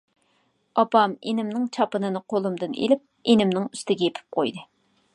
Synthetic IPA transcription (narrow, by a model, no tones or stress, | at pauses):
ɑpɑmenɪmnɪŋt͡ʃʰɑpɨnɨnɨqʰolˠumd̪ɨnḛlɪp̚enɪmnɪŋyst̪ɪɡʲɛjepʰɪ̥p̚qojd̪ɨ